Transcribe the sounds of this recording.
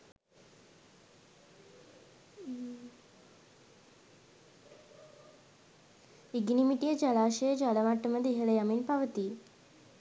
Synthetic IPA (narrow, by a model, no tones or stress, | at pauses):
iɡnimiʈijɐd͡ʒalaːʃɐjəd͡ʒalɐʋaʈːɐməd̪iɦɐɭɐjɐminpɐʋət̪i